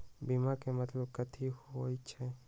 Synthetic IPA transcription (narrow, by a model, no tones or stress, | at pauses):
bimakemət̪ləb̚kət̪ʰihoojt͡ʃʰɛ